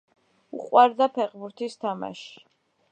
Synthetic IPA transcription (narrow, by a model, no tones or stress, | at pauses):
ṵqʼwaɾd̪apʰɛqbuɾt̪ʰist̪ʰama̰ʃi̥